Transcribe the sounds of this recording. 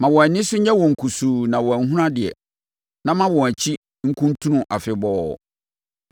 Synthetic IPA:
mã˨wɔ˨æ˨nɪ̃˦sʊ˦ɲɛ̃˦wɔ̃˨ŋ̩˨kʰu˨suː˨nã˨wɔ˨æ˨˦ɦũ˦ɾã˦dɪ˨ɛ̰˨ | nã˦mã˦wɔ̃˨æ˨t͡ɕʰi˦ | ŋ̩˦kʰũ˦n˦tʰũ˦nʊ̃˦ʔa˨fɪ˨bɔ̰˦˨

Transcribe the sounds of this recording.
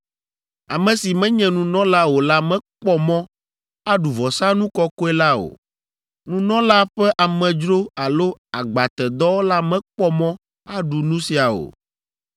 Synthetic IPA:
a˨mɛ̃˨si˨mɛ̃˦ɲɛ̃˨nũ˨nɔ̃˦la˦wo˨la˦mɛ̃˦k͡pɔ˦mɔ̃˦ | a˦ɖu˨vɔ˨sa˦nũ˦kɔ˦kɔ˦ɛ˦la˦o̰˨ | nũ˦nɔ̃˦la˦ɸɛ˦ʔa˨mɛ̃˨d͡ʒɾo˦a˨lo˦a˨ɡ͡ba˨t̪ɛ˨d̪ɔ˦wo˦la˦mɛ̃˦k͡pɔ˦mɔ̃˦ | a˦ɖu˨nũ˦si˨a˨o̰˨

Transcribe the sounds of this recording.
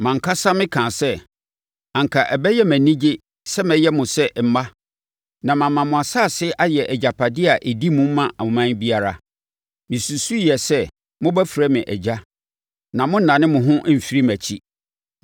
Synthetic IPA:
mã˨ŋ˨kʰa˦sa˦mɪ̃˦kʰã˨sɛ˦ | ã˨ŋ˨kʰa˨ʔɛ˨bɛ˦jɛ˦mæ̃˨nĩ˦d͡ʑɪ˦ | sɛ˦mɛ̃˨jɛ˦mʊ̃˨sɛ˦m̩˨ma˦ | nã˨mã˨mã˨mʊ̃˨a˨saː˦˨sɪ˦ʔa˦jɛ˨ʔɛ˨d͡ʑa˨pʰa˨dɪ˦a˨ʔe˨di˦mũ˦m˦mã˦ʔa˨mʊ̃˨mã˦nbi˦a˨ɾa˨ | mɪ̃˨su˨su˦˨jɛ˨sɛ˦ | mʊ̃˦bæ˦fi˨ɾæ˦mɪ̃˨ʔɛ̰˨d͡ʑa˦ | nã˨mʊ̃˦n̩˦nã˨nɪ̃˦mʊ̃˨ɦʊ̃˦m̩˨fi˦ɾi˦mæ˨t͡ɕʰi˦

